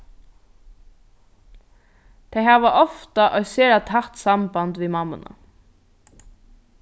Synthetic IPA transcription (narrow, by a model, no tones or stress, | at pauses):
t̪ʰejɦaːʋaʔɔft̪aʔœʏseːɾat̪ʰaht̪sambant̪ʋiːmamːʊ̰na̰